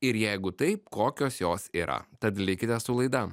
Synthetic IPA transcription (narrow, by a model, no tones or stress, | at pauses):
ɪɾjɛɪɡʊt̪ɐɪpkoːkʲoːsjoːsiːɾʔɐ̰t̪ɐt̪lʲɪkʲɪt̪ʲɛssʊlˠɐɪd̪ɐ